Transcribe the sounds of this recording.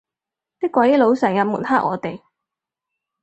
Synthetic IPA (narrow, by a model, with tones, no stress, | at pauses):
t̪iː˥kːwɐ˨˥jlo˨˧wsœː˨˩ŋjɐ˨˧muː˨˩nhaː˥k̚ʔɔ̰ː˨˧t̪e˨˩j